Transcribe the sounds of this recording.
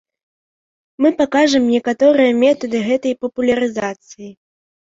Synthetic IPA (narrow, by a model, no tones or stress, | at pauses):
mɨpakaʐɐmnʲɛkat̪ɔɾɨjɐmʲɛt̪ɐd̪ɨɣɛt̪ɐjpɐpulʲɐɾɨzat̪sɨji